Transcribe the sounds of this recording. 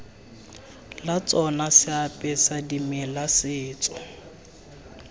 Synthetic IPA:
lat͡sʼɔnasɪapʼɛsadimɪlasɪːt͡sʼɔ̥

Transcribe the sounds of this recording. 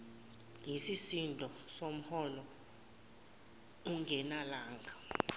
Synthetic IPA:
jisisindʱɔsom̩hɔlɔ | uŋɡʱɛnalaːŋɡʱa

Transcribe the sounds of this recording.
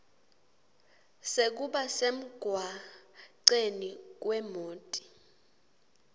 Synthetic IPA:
sek̬uɓasem̩ɡ̥ʱwaǀenik̬wɛmoːtʼi̥

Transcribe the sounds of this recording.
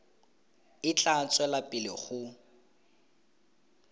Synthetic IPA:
ɪt͡ɬʼat͡sʼwɛlapʼɪlɪ̰χʊ

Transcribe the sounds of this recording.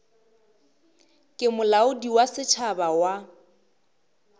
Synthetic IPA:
kʼɪmʊlaʊdiwasɪt͡ʃʰabawa

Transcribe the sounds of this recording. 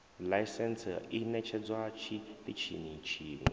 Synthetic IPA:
lajsɛnsinɛt͡ʃʰɛd͡zwat͡ʃʰit̪it͡ʃʰinit͡ʃʰiːnḭ

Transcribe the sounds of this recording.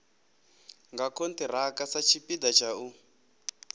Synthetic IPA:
ŋɡakʰontir̤akasat͡ʃʰipidat͡ʃʰau

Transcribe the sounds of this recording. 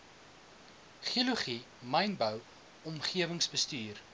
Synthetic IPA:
χiəluχi | mɐjnbəw | ɔmχiəvəŋsbəstyːr

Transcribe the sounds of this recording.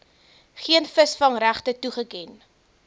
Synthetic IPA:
χiənfəsfɐŋræχtətuχəkɛn

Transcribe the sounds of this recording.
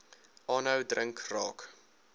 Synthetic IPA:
ʔɑːnəwdrəŋkrɑːk

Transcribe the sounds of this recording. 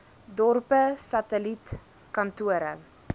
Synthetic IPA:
dɔrpəsɐtəlit | kɐntuəɾə̰

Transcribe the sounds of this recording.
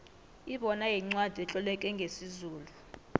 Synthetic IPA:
iɓɔnajɛŋ͡ǀwad̥ʱiɛt͡ɬʼɔlɛkʼɛŋɡʱesizuːlu

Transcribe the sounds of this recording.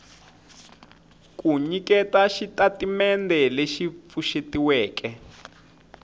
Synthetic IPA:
kuɲikɛtaʃitatimɛndɛleʃip̪fuʃetiwɛːkɛ

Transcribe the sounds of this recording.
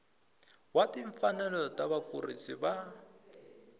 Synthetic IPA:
watiɱfanɛlɔtaβakurḭsiba

